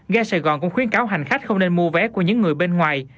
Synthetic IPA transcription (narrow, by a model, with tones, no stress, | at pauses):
ɣɛ˧saː˧˩jɣɔ̰˨˩nkʊ̰˧˥ŋ͡mxwi˨˦ənkaː˨˦wɦa˨˩jŋ̟xa˦˥jk̟̚xə˧wŋ͡mne˧nmu˧əvɛ˨˦ku˧˩əɲɨ̰˧˥ŋːɨ˨˩əjɓe˧nŋwaː˨˩j